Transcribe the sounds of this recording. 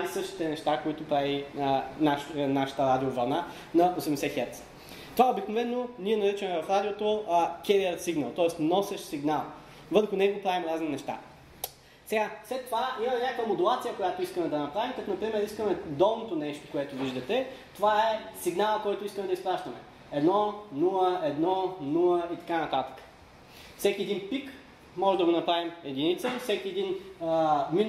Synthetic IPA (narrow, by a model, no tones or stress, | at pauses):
pavisɤʃt̪i̥t̪ɛnɛʃt̪akoit̪ʊpɾavinaʃnaʃə̥t̪əɾad̪iovɐɾna | nɐosɛmd̪ɛsɛxɛɾt̪sɛ̥ | t̪ovaɛobiknovɛnːoniɛnɐɾit͡ʃəmɛvɐfɾad̪iot̪okʲɛɾiɛɾt̪siɡnəlˠt̪ɔɛsnɔsɛʃsiɡnalˠ | vɤpɾɛxʊnɛɡopɾavimɾazninɛʃt̪a̰ | sɛɡaslɛt̪ːovaimɐmɛnʲakəvəmod̪ulˠat̪sijəkojat̪oiskəmɛd̪ɐnɐpɾavimkɐt̪onɐpɾimɛɾiskəmɛd̪ɔlˠnot̪onɛʃt̪o̥koɛt̪ʊviʒd̪ɐt̪ɛt̪ovaɛsiɡnalˠəkɔjt̪ʊiskəmɛd̪ɐispɾaʃt̪ɐmɛ̰ | ɛd̪nɔnulˠəɛd̪nɔnulˠəit̪ɐ̥kanɐt̪at̪ə̥kə̥ | fsɛkʲiɛd̪inpik | mɔʒɛmd̪ɐɡonɐpɾavimɛd̪init̪sɛfsɛkʲiɛd̪in | min